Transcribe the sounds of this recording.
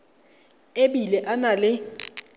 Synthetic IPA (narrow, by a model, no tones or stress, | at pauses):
eɓilɛʔanalɪ